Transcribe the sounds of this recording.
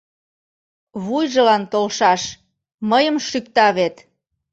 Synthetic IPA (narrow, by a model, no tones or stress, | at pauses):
βujʒə̆lɑnt̪olʃɑʃ | məjə̆mʃyk̚t̪ɑβet̪